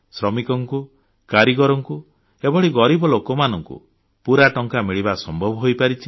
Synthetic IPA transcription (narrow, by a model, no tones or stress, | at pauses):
sɾɔmikɔŋku | kaɾiɡɔɾɔŋku | ebɔɭiɡɔɾibɔlokɔmanɔŋkṵ | puɾaʈɔŋkamiɭibasɔmbʱɔbʱɔɦojpaɾit͡ʃʰi̥